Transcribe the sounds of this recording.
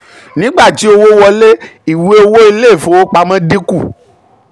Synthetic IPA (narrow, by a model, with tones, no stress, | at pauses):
nĩ˨˦ɡ͡ba˦˨ti˨˦o˧wo˦wɔ˧le˦i˨we˦o˦˧wo˦i˧le˦˨fo˨wo˦k͡pa˧mɛ̃˦di˦ku˦˨